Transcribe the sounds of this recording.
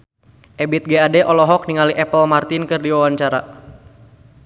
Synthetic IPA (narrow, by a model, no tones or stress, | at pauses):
ʔɛbit̪̚ɡeadɛʔɔlɔɦɔk̚niŋaliʔɛpəlmart̪inkɨrdiwawaɲt͡ʃaɾa̰